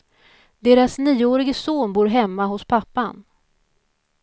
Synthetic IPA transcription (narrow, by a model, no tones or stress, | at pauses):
d̪eːɾasniːoːɾɪɡəsoːnbuːɾɦɛmːaɦʊspʰapːan